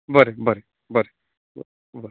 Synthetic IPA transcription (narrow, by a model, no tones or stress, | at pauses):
bəɾebʱəɾe | bʱəɾe | bəɾe